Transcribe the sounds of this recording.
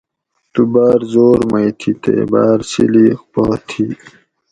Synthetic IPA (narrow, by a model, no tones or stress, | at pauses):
t̪ubaːɾzoːɾmɐjt̪ʰit̪ḛbaːɾsḭliːkpoːt̪ʰi